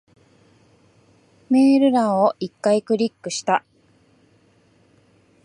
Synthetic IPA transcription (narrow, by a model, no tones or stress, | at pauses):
me̞ːɾɯ̟ɾãɰ̃oʔikːaikɯ̟ɾʲikːɯ̟ɕi̥t̪a